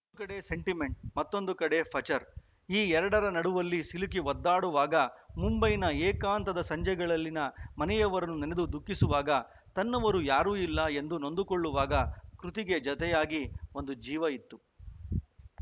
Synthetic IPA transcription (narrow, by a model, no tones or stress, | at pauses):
ukɐɽe̞se̞ɳʈime̞ɳʈ̚mɐt̪ːo̞nd̪ukɐɽe̞pʰɐt͡ʃɐɾ | iːɛɾɐɽɐɾɐnɐɽuʋɐlːisilukiʋɔd̪ːaːɽuʋaːɡɐmumbɐjnɐeːkaːnt̪ɐd̪ɐsɐɲd͡ʒɛɡɐɭɐlːinɐmɐnɛjɐʋɐɾɐnːunɛned̪ud̪ukːisuʋaːɡɐ | t̪ɐnːɐʋɐɾujaːɾuːilːɐe̞nd̪uno̞nd̪uko̞ɭːuʋaːɡɐkɾut̪iɡe̞d͡ʒɔt̪ɛjaːɡio̞nd̪ud͡ʒiːʋɐit̪ːu